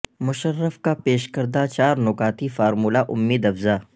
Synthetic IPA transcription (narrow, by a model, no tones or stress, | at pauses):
mʊʃəɾːəfkapeːʃkɐɾd̪at͡ʃaːɾnʊkaːt̪ifaːɾmuːlaʔʊmːiːd̪ɐfzaː